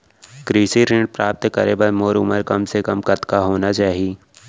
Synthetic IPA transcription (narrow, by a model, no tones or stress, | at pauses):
kɾiːsiɾɪ̃ɳɖ̚pɾaːp̚t̪kəɾebəɾmoːɾʊ̰məɾkɐmsekɐmkɐt̪kaɦoːnat͡ʃaːɦieː